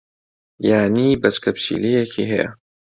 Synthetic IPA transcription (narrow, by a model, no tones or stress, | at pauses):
jaːniːbɐt͡ʃkʰɐpt͡ʃḭːlijekʰiɦɛjɐ̰